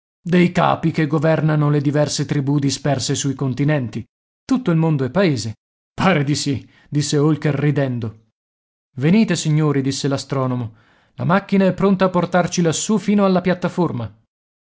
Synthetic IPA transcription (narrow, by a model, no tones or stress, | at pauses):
d̪ejka̰ːpikeɡovɛrnanoled̪ivɛrset̪ɾibud̪ispɛrsesujkont̪inɛnt̪i | t̪ut̪ːoilmond̪oɛpːaeːze | paːɾed̪isi | d̪isːeolkerːid̪ɛnd̪o | veniːt̪esiɲːoːɾid̪isːelast̪ɾɔːnomo | lamakːinaɛpːɾont̪aːpːort̪art͡ʃilasːufiːnoalːapjat̪ːaforma